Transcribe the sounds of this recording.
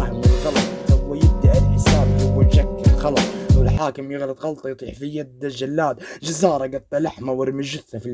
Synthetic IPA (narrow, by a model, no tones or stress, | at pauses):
hɪmwɪlɣɑlɑt̪ˤwɪjɪb̚d̪aʔɪlħɪsaːbhʊwːɪlʃakːɪlxɑlɑsˤwɪlħaːkɪmjɪɣlɑt̪ˤɣɑlt̪ˤɑjt̪ˤiːħfijad̪ːad͡ʒalːaːd̪d͡ʒazɑːɾˤɑɡɑt̪ˤːɑlaħmawɪɾmɪʒʊθːafil